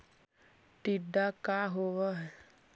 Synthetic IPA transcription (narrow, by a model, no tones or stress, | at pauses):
ʈiɖakaɦoʋaɦɛ